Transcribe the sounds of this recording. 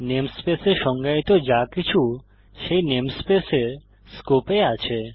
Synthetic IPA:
nemspeseɾʃɔŋɡait̪od͡ʑakit͡ɕʰu | ʃejnemspeseɾ | skopeat͡ɕʰe

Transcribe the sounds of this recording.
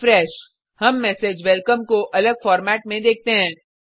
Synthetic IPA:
fɾɛːʃ | hɐmːɛːsed͡ʒʋɛlkəmkoʔɐləɡfɔːɾmɛːʈ̚mẽd̪eːk̚t̪eɦɛ̃ː

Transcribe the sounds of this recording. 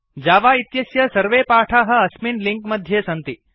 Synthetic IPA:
d͡ʒaːʋaːit̪jɐsjɐsɐɾʋeːpaːʈʰaːɦɐ̆ɐsminliŋkmɐd̪ʱjeːsɐnt̪i

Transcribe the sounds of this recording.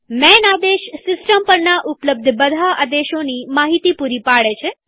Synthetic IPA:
mɛnad̪eʃsɪsʈəmpəɾnaʔʊpləb̚d̪ʱəbəd̪ʱaʔad̪eʃonimaɦit̪ipuɾipaɭet͡ʃʰe

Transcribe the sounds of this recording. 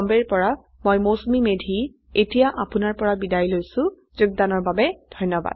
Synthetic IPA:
mbɛɹpɔɹa | mojmosmimedʱi | etijaʔapʊnaɹpɔɹabidajlojsʊ̃ | zʊɡ̚danɔɹbabɛdʱɔjnɔba̰d̥

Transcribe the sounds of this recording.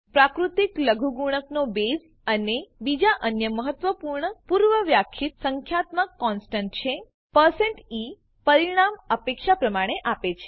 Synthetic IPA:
pɾakɾut̪ikləɡʱuɡuɽ̃əknobez | ənebid͡ʒaʔənjəməɦət̪ʋəpuɾɳəpuɾʋəʋjakʰit̪səŋkʰjat̪mãkɔnsʈəɳʈt͡ʃʰe | pəɾseɳʈi | pəɾiɽ̃aməpekʃapɾəmaɽ̃eʔapet͡ʃʰe

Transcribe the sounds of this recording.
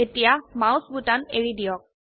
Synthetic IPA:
etijamaw̃sbutaneɹidijɔk̚

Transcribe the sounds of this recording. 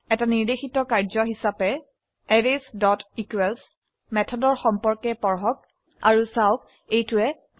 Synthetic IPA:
ɛtaniɹdexitɔkaɹzɔɦisapɛ | ɛɹesdɔtikuwɛls | mɛtʰɔdɔɹxɔmpɔɹkɛpɔɹɦɔk | a̰ɹusawk̚ | ejtʊɛ

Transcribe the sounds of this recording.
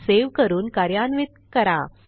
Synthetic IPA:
seʋkəɾuːnkaɾjanʋid̪̚kəɾa̰

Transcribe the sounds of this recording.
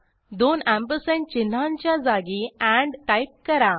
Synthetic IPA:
d̪onæ̃mpəsə̃nt͡ɕin̤ːaɲt͡ɕjad͡zaɡiæ̃ɳɖkajp̚kəɾa

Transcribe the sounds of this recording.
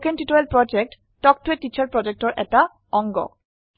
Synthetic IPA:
kentitoelpɹɔd͡ʒek̚t | tɔk̚tuetːit͡ʃʰɔɹpɹɔd͡ʒek̚tɔɹʔɛ̰ta | ɔŋɡɔ̰

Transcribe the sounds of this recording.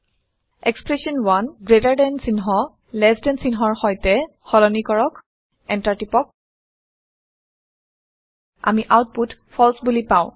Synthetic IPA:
ɛkspɹesɔnwanɡɹetaɹdɛnsinɦɔ | lɛsdɛnsinɦɔɹxɔjtɛ | xɔlɔnikɔɹɔk | ɛntaɹtipɔk̚ | a̰miʔawt̚putpʰɔlsbulipãʊ̃

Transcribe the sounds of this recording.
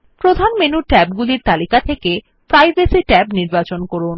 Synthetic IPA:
pɾod̪ʱanmenuɾʈɛb̚ɡuliɾt̪alikat̪ʰeke | pɾajbesiʈɛbniɾbat͡ɕonkoɾun

